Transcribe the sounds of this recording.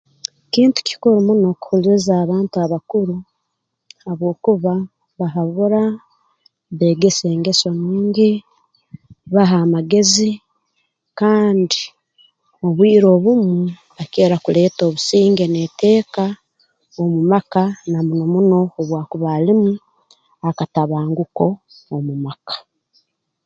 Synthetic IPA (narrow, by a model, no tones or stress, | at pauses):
kiːntu̥ci̥koɾumuno̞ku̥huliɾizaːβaːntuaβakuɾu | haβo̞ːkuβa | βaɦaβuɾa | βe̞ːɡe̞se̞ːŋɡe̞soniːŋɡi | βaɦaːmaɡe̞zi | kaːndi | oβwiːɾo̞ːβumuβake̞ːɾakule̞ːtoːβusiːŋɡe̞ne̞te̞ːka | omumakanamuno̞muno̞ːβwaːkuβalimu | akataβaːŋɡuko̞ː | mumakḁ